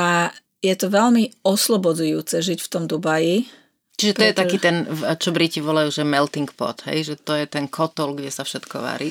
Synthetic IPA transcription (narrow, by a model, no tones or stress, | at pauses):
a | jɛt̪ɔʋɛʎmiɔslɔbɔd͡zujuːt͡sɛʒicft̪ɔmd̪ubaji | t͡ʃiʒɛt̪ɔjɛt̪akiːt̪ɛnt͡ʃɔbɾiciʋɔlajuːʒɛmɛlt̪iŋkpɔ̰t̪ɦɛ̰jʒɛt̪ɔjɛt̪ɛnkʰɔt̪ɔlɡɟɛsafʃɛt̪kɔ̰ʋa̰ɾi